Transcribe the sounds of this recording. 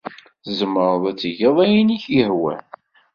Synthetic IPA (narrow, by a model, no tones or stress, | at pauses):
zəmːəɾˤðˤæt͡sːiʝiðˤæjiniçjəhwæ̰